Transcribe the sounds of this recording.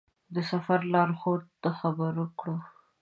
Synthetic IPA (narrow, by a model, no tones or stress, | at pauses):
d̪əsafaɾlɑɾxoɾt̪axabəɾəkɽo